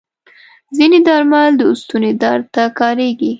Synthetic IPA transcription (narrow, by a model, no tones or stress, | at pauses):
zined̪ɑɾmald̪əʊst̪uned̪ɑɾt̪akɑɾeɡi